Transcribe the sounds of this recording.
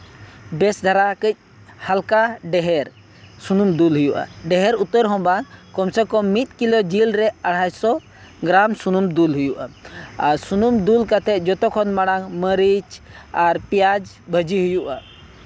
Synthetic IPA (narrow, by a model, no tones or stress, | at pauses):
bɛsd̪ʱaɾakəc̚ˀ | halkaɖɛɦɛɾ | sunumd̪ulɦujuʔa̰ɖɛɦɛɾut̪ːəɾɦɔ̃bankɔmsɛkɔmːit̪̚kilɔd͡ʒilɾɛaɽ̤ajsɔ | ɡɾamsunumd̪ulɦujuʔa̰asunumd̪ulkat̪ʰɛd͡ʒɔt̪ɔkʰɔnmaɽaŋməɾit͡ʃaɾpijad͡ʒ | bʱəd͡ʒiɦujuʔa̰